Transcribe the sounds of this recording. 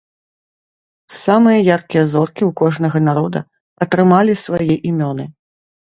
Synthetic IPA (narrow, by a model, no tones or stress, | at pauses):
samɨjɐjarkʲijɐzɔrkʲiwkɔʐnɐɣɐnaɾɔd̪ɐ̰ | ɐt̪ɾɨmalʲisvajɛʔimʲɔnɨ